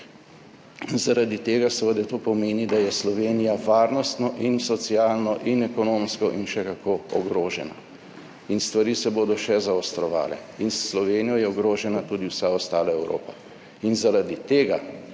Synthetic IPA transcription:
zaɾad̪it̪eːɡasɛʋəd̪ɛt̪oːpɔmeːnid̪ajɛslɔʋeːnijaʋaːɾnɔst̪nɔʔinsɔt̪sijaːlnɔʔinɛkɔnoːmskɔʔinʃɛkakʰoːɔɡɾoːʒɛna̰ | inst̪ʋaɾiːsɛboːd̪ɔʃɛzaɔst̪ɾɔʋa̰ːlɛ̰insːlɔʋeːnijɔjɛɔɡɾoːʒɛnat̪uːd̪iwsaɔst̪aːlaɛwɾʔo̰ːpa | inzaɾad̪it̪eːɡa

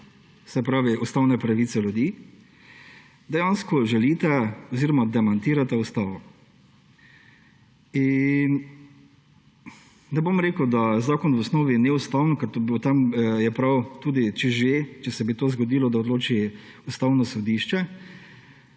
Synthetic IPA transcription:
sɛpɾaːʋiust̪awnɛpɾaʋiːt̪sɛljud̪i | d̪ɛjanskɔʒɛlit̪aɔziɾɔmad̪ɛmant̪iːɾat̪aust̪aːʋɔ | in | nɛbomɾeːkəwd̪azaːkɔnʋɔsnoːʋinɛust̪awnnkɛɾt̪obot̪amjɛpɾawt̪uːd̪it͡ʃɛʒet͡ʃɛsɛbit̪oːzɡɔd̪iːlɔd̪aɔd̪loːt͡ʃi | ust̪awnɔsɔd̪iʃt͡ʃɛ

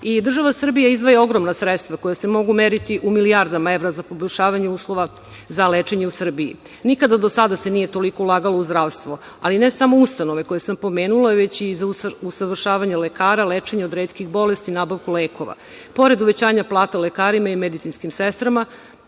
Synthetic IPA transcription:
id̪r̩ʒaʋasr̩bijaizd̪ʋojeo̞ɡɾo̞mnasɾet̪st̪ʋako̞jase̞mo̞ɡumeːɾit̪iʔumilijaɾd̪amae̞ʋɾazapo̞boʎʲʃaːʋaɲeuːslˠo̞ʋa | zaleːt͡ʃeɲe̞usr̩bijḭ | nikad̪ad̪osad̪asenije̞t̪o̞liko̞ulˠaːɡalouzd̪ɾaːʋst̪ʋo | aline̞samo̞ust̪ano̞ʋe̞ko̞jesampo̞me̞ːnulˠaʋe̞t͡ɕizausaʋr̩ʃaːʋaɲelekaːɾaleːt͡ʃe̞ɲeo̞d̪ɾeːt̪kixbo̞lest̪inaːbaʋkuleːko̞ʋa̰ | po̞ɾe̞d̪uʋet͡ɕaːɲaplˠaːt̪aulekaːɾimaimed̪it̪sinskimsest̪ɾama

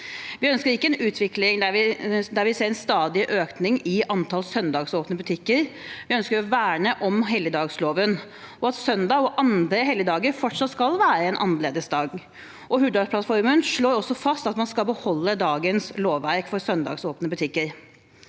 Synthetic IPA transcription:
ʋɪœnskəɾɪkːəɛnʉːt̪ʰʋɪklɪŋd̪æʋɪd̪æɾʋɪseːɾɛnst̪ɑːd̪ɪʔøːknɪŋɪʔɑnt̪ʰɑlsœnd̪ɑːɡsoːpnəbʉt̪ʰɪkːəɾʋɪœnskəɾɔʋæːɳəʔɔmɦɛlːəd̪ɑːɡsloːʋən | ɔɑt̪sœnd̪ɑːɔʔɑnd̪ɾəɦɛlːəd̪ɑːɡəɾfɔʈʂɑt̪skɑlʋæːɾəɛnʔɑ̰nːəleːd̪əsd̪ɑːɡ | ʔɔɦʉd̪ɑpʰlɑt̪fɔɾmənʂɭoːɾɔsːɔfɑst̪ɑt̪mɑnskɑlbəhɔlːəd̪ɑːɡənsloːʋːæɾkfɔɾsœnd̪ɑ̰ːɡsoːpnəbʉt̪ʰɪkːəɾ

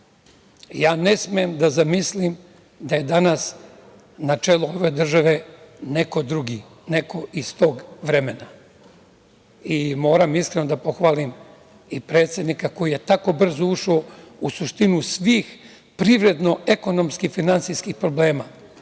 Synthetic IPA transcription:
jaːne̞smejemd̪azamislim | d̪aje̞d̪anas | nat͡ʃe̞lˠuoʋe̞d̪r̩ʒaʋe̞ne̞ko̞d̪ɾuɡi | ne̞ko̞ʔist̪o̞ːɡʋɾe̞mena | imo̞ːɾamiskɾenod̪apo̞xʋaːlim | ipɾe̞ːt̪sʲje̞d̪nikako̞jije̞t̪ako̞br̩zouʃousuʃt̪inusʋiːx | pɾiʋɾe̞d̪no̞ʔeko̞no̞mskifinant̪sijskixpɾo̞ble̞ːma

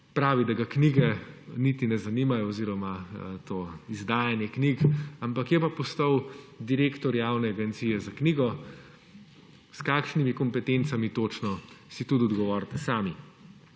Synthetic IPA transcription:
pɾaːʋid̪aɡakniɡɛnit̪inɛzaniːmajɔːziːɾɔmat̪oːizd̪aːjanjɛkniːkampakjɛpapɔst̪ɐwd̪iɾeːkt̪ɔɾjaːwnɛaɡɛnt̪siːjɛzakniːɡɔ | skaːkʃnimikɔmpɛt̪ent̪samit̪oːt͡ʃnɔsit̪ut̪ɔd̪ɡɔʋɔːɾt̪ɛsaːmi

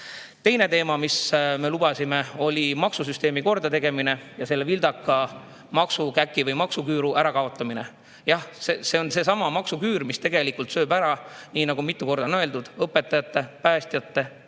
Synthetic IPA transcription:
t̪e̞jne̞t̪e̞ːmɑmisme̞lub̥ɑsime̞o̞lʲimɑksus̬yst̪e̞ːmiko̞rd̪ɑt̪e̞ɡ̥e̞mine̞jɑse̞lːevild̪̥ɑkˑːɑ | mɑksukækːˑivɤjmɑksukyːɾuʔæɾɑkɑo̞t̪ˑːɑmine̞ | jɑhsese̞o̞nse̞sɑmɑmɑksukyːɾmist̪e̞ɡ̥e̞likult̪sø̞ːbæɾɑniːnɑɡumit̪ˑːuko̞rd̪̥ɑnøeld̪ud̪̥ɤpːˑe̞t̪ːˑɑjɑt̪ːe̞pæːst̪jɑt̪ːe̞

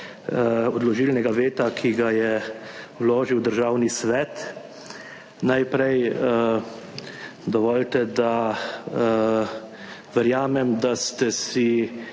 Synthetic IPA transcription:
ɔd̪lɔʒilnɛɡaʋeːt̪akʰiɡajɛwloːʒiwd̪əɾʒawnisʋɛt̪ | najpɾɛjə | d̪ɔʋɔːlt̪ɛd̪a | ʋɛɾjaːmɛmd̪ast̪ɛsi

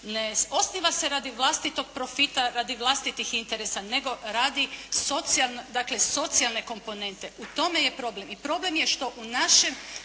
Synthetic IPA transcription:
neo̞sniʋase̞ɾaːd̪iʋlˠast̪it̪o̞ɡ̚pɾo̞fit̪aɾaːd̪iʋlˠast̪it̪ixint̪e̞ɾe̞sane̞ɡo̞ɾaːd̪iso̞t̪sialnod̪akle̞so̞t̪sialˠne̞ko̞mpo̞ne̞nt̪e̞ut̪o̞me̞je̞pɾo̞ble̞mipɾo̞ble̞mjeʃt̪o̞ʔunaʃe̞m

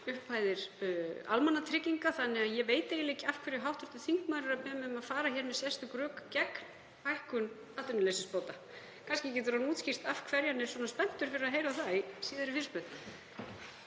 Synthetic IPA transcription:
ʏhpʰːaːjðɪɾ̥a̰lmanːat̪ʰɾɪciŋkaθanːɪɣaðjɛveːjt̪ejɪlejcɪafkʰvɛːɾɪɦawht̪ʏ̥ɾ̥t̪ʏ̥θiŋkmaːðɾɪɾaðpɛːmɛʏmaðfaːɾaçjɛːɾmɛðsjɛ̥st̪ʏkɾœːkcɛkn | pajhkʏn | at̪ʏnɪlesɪspoːwt̪a | kʰanscɪcɛːt̪ʏɾanuːt̪scir̥t̪afkʰvɛɾjanːɪɾ̥swɔːnaspɛn̥t̪ʏɾ̥fɪɾɪɾaðɦejɾaθaisiːðʏɾʏfir̥spʏt̪

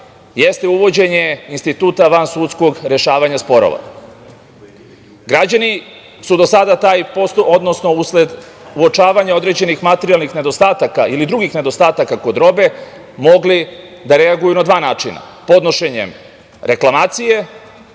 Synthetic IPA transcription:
jest̪e̞uʋo̞d͡ʑe̞ɲe̞inst̪it̪uːt̪aʋansuːt̪sko̞ɡɾe̞ʃaːʋaɲaspo̞ɾo̰ʋa̰ | ɡɾad͡ʑani | sud̪o̞sad̪at̪aːjposod̪no̞snousled̪ | uo̞t͡ʃaːʋaɲao̞d̪ɾe̞d͡ʑe̞nixmat̪eɾialnixne̞d̪o̞st̪aːt̪akailid̪ɾuɡixne̞d̪o̞st̪aːt̪akako̞d̪ɾo̞be̞ | mo̞ɡli | d̪aɾe̞aɡujunad̪ʋaːnaːt͡ʃina̰po̞d̪no̞ʃe̞ɲḛm | ɾe̞klˠamaːt̪sije̞

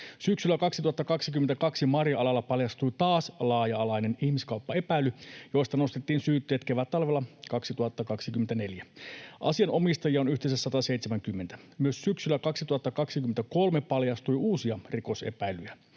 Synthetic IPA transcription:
syksylːˑækɑksit̪uhɑt̪ːɑkɑksikymːent̪ækɑksimɑrjɑɑlɑlːɑpɑljɑst̪ujt̪ɑːslɑːjɑɑlɑjne̞nihmiskɑuwpːɑe̞pæjlːˑyjo̞jst̪ɑnost̪et̪ːiːnsyːt̪ːeːt̪keʋæt̪ɑlʋelːɑkɑksit̪uhɑt̪ːɑkɑksikymːent̪æne̞ljæʔɑ̰siɑno̞mist̪ɑjiɑonyht̪es̬æsːɑt̪ɑse̞it̪semæŋkymːent̪æmyøssyksylːækɑksit̪uhɑt̪ːɑkɑksikymːet̪æko̞lmepɑljɑst̪ujʔuːsiɑriko̞sḛpæjlyjæ

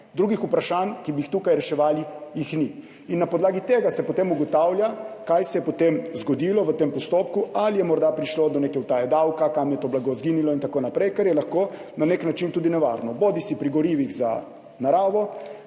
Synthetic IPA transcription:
d̪ɾuːɡixupɾaʃankibiixt̪uːkajɾɛʃɛʋaːlijixni | inːapɔd̪laːɡit̪eːɡasɛpɔt̪emuɡɔt̪awljakajsɛjɛpɔt̪emzɡɔd̪ilɔʋət̪empɔst̪oːp̚kualijɛmɔɾd̪apɾiʃlod̪ɔnekɛwt̪ajɛd̪awkakamjɛt̪oblaɡozɡinilɔint̪akoːnapɾɛjkɛɾjɛlaxko | naneknat͡ʃint̪uːd̪inɛʋa̰ɾnɔboːd̪isipɾiɡɔɾiːʋiɣza̰ | naɾaːʋɔ

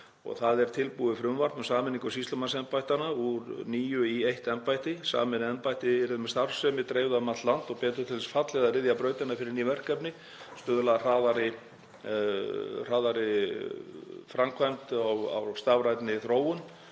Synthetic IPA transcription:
ɔ̰ɣθaðɛɾ̥t̪ʰɪlpuðɪfɾʏmvaɾmʏmsaːmɪniŋkasist̪ɔmansɛmpajt̪anauɾniːjʏiejht̪ɛnpajht̪ɪsa̰ːmɪnɛnpajt̪ɪɛɾɪðmɛst̪aɾfsɛmɪt̪ɾeːjvðamat̪lant̪ɔɣpɛːt̪ʏ̥t̪ʰɪlɛsfat̪lɛɣðaɾɪðjapɾœːɥt̪ɪnafɪɾɪɾnivɛr̥kɛpnɪ | st̪ʏːðʏlar̥aːðaɾɪ | r̥aːðaɾɪ | fɾamkʰvajmt̪awa̰wst̪avɾajt̪nɪθɾoːwʏn

